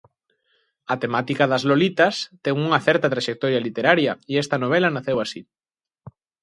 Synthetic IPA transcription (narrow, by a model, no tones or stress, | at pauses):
ɐt̪emat̪ikɐðɐzlolit̪ɐst̪ɛŋuŋɐθɛɾt̪ɐt̪ɾaʃek̚t̪ɔɾjalit̪eɾaɾjɐiɛst̪ɐnoβ̞elɐnaθewasi